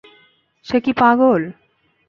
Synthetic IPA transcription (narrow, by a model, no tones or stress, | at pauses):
ʃekipaɡol